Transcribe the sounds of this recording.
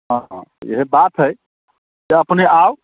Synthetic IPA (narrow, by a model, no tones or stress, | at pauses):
ɦã̰jḛɦebat̪ɦəj | d͡ʒeəpneaw